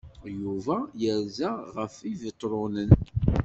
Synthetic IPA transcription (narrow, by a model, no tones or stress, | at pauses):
juvæjəɾzæʁəfivət̪ˤːɾˤʊnən